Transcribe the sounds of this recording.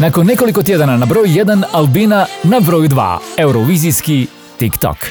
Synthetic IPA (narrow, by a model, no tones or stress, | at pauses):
nakonːɛkolikot̪jed̪ananabɾojjɛd̪analˠbinanabɾojud̪ʋa̰ewɾɔʋiziski | t̪ikt̪ɔ̰k